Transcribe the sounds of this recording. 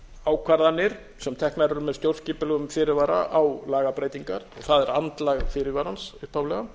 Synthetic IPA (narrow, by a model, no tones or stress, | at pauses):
aːwkʰvaɾðanːɪɾ̥ | sɛmt̪ʰɛhknaɾʏɾmɛðst̪jowɾr̥sciːpʏlɛɣʏmfɪːɾɪvaːɾa̰ʔawlaːɣapɾeːjt̪iŋkaɾ̥ɔɣθaðɛɾant̪laɣfɪːɾɪɾvaːɾansʏhpawlɛɣa